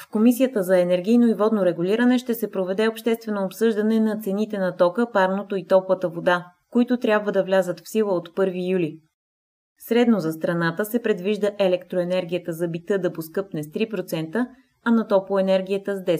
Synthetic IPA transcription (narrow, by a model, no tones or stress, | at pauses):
fkomisijət̪əzɐɛnɛɾɡ̟ʲijnoivɔd̪noɾɛɡuliɾənɛʃt̪ɛsɛpɾovɛd̪ɛopʃt̪ɛst̪vɛnoːpsɤʒd̪ɐnɛnɐt̪sɛnit̪ɛnɐt̪ɔkəpaɾnot̪oit̪ɔpvət̪əvod̪a | koit̪ʊt̪ɾʲabvəd̪ɐvlʲazət̪fsilˠəot̪pɤɾvijulʲi | sɾɛd̪nozɐst̪ɾɐnat̪əsɛpɾɛd̪viʒd̪əʔɛlɛkt̪ɾoɛnɛɾɡʲijət̪əzɐbit̪ɤd̪ɐposkɤpnɛst̪ɾipɾot̪sɛnt̪ə | ɐnɐt̪ɔpoɛnɛɾɡʲijət̪əzd̪ɛ